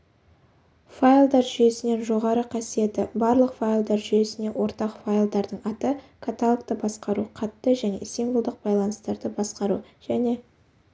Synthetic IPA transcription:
fajlˠd̪ɑɾʒʏje̞sɪne̞nʒo̞ʁɑɾəqʰɑsije̞t̪ɪbɑɾlˠəqfajlˠd̪ɑɾʒʏje̞sɪnewʔo̞ɾt̪ɑqfajlˠd̪ɑɾd̪əɴɑt̪ə | kʰat̪alˠkt̪əbɑsqɑɾuqʰɑt̪ːəʒæne̞̰simvolˠd̪əq̚bɑjlˠɑnəst̪ɑɾd̪əbɑsqɑɾuʒ̥æne̞

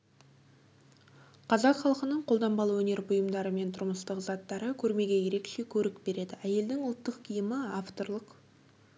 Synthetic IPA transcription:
qʰɑzɑqχɑlˠqənəɴqʰo̞lˠd̪ɑmbɑlˠəwɵne̞ɾbʊjəmd̪ɑɾəme̞nt̪ʰʊɾməst̪əqzɑt̪ːɑɾəkʲʰɵɾme̞ɡʲe̞je̞ɾe̞kʃe̞kʲʰɵɾɪkbe̞ɾe̞d̪ɪæje̞ld̪ɪŋʊlˠt̪ːəqkʲʰijəməaft̪o̞rlˠəq

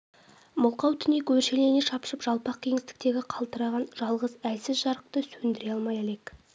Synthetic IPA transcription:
mʊlˠqɑwt̪ʰʏnekɵɾʃe̞le̞neʃɑpʃəpʒ̥ɑlˠpɑq̚kʲʰe̞ŋɪst̪ɪ̥k̚t̪e̞ɡʲɪqʰɑlˠt̪əɾɑʁɑnʒɑlˠʁəzælsɪzʒɑɾəq̚t̪əsɵnd̪ɪɾe̞ɑlˠmɑjele̞k

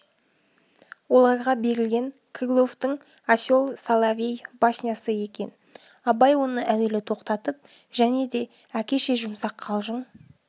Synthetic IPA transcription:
wo̞lˠɑɾʁɑbe̞ɾɪlɡʲe̞ŋ | kʲʰɪɡlˠo̞ft̪əɴ | asʲjo̞lˠsalˠavʲejbasʲnʲjasəe̞kʲe̞̰n | ɑbɑjwo̞nəʔæwe̞lɪt̪ʰo̞qt̪ɑt̪əp̚ | ʒæne̞d̪e̞ | ækʲe̞ʃe̞ʒʊmsɑqʰːɑlˠʒəɴ

